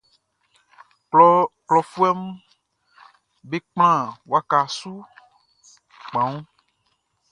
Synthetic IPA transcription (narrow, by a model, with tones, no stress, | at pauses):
klɔ˨fu˦ɛ˦m˦ | be˦k͡pl̃ã˦˨wa˦ka˨su˦ | k͡pã˨˦ŋũ˦